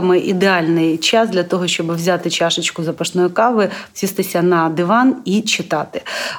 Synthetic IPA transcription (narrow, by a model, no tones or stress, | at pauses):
mɪʔid̪eɑlʲnɪjt͡ʃɑzd̪lʲɐt̪ɔɦɔʃt͡ʃɔbɪwzʲat̪ɪt͡ʃɑʃɪt͡ʃkʊzɐpɐʃnɔjʊkɑʋɪt͡sʲist̪ɪsʲɐnɐd̪ɪʋɑnit͡ʃɪt̪ɑt̪ɪ̥